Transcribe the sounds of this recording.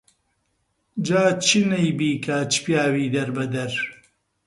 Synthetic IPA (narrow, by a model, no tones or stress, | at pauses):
d͡ʒaːt͡ʃʰinɐjbiːkʰɐt͡ʃi̥pjaːwiːd̪ɐɾbɐd̪ɐɾ